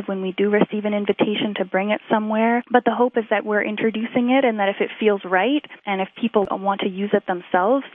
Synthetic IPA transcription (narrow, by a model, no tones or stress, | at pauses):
vwə̃nwidɨɹɨsivɨ̃ñɪ̃ɱvɨtʰeɪʃɨ̃ntʰɨbɹɪ̃ŋɨtsʌ̃mwɛɹb̥ʌt̪̚ðəɦoʊpɨzðɨʔ̚wɪɹʔɪ̰̃ntt͡ʃɹ̥ɨdʉsɪ̃ŋɪɾɨ̃nðɨɾɨfɨtfilˠzɹaɪɾʔɨ̃nɨfpʰipl̩ˠwɑ̃ntʰɨjʉzɨt̪̚ðə̃msɛlˠvz̥